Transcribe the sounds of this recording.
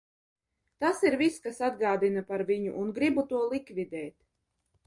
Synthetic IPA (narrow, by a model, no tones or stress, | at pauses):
t̪asiɾviskasad̪ɡaːd̪inapaɾvʲiɲṵʔunɡɾibut̪uɔlˠikvid̪ɛːt̪